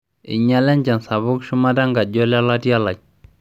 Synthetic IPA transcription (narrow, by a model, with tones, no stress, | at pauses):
ḭ˨ɲa˦lɛ˦nd͡ʒa˨nsa˨bʊ˦kʃu˦ma˦da˦ŋɡa˨ɟɔ˦la˦la˦tja˦la˨